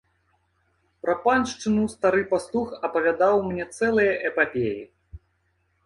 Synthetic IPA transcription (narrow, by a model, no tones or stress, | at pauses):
pɾɐpanʂt͡ʂɨnust̪aɾɨpast̪ˠuxɐpɐvʲad̪awmnʲɛt̪sɛlˠɨjɐʔɛpapʲejḭ